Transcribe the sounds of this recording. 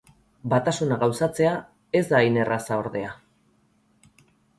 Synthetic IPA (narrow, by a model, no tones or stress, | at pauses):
bat̪asunaɣawsat͡se̞a | e̞zd̪aine̞rasao̞ɾðe̞a